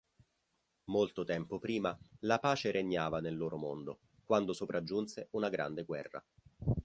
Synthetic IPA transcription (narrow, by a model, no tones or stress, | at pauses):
molt̪ot̪ɛmpopɾiːmalapaːt͡ʃeɾeɲːaːvanelːoːɾomond̪o | kwand̪osopɾʔad͡ʒːunseunaɡɾa̰nd̪eɡwɛ̰rːa̰